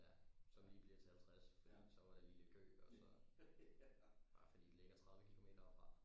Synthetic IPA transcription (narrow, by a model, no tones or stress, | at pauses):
jæsɒ̽mliːb̥liɐ̥t͡sʰe̝hælt͡sʰʁasfɒ̽d̥ḭsɒ̽ʋɑd̥eliləɡ̥ʰø̰ːɒ̽sɒ̽ | ɑ̈fɒd̥ḭːd̥le̝ɡ̥ɐt͡sʰʁɑ̈ð̞ˠʋəkʰilo̝me̝̰ːd̥ɐɒb̥fʁɑ̈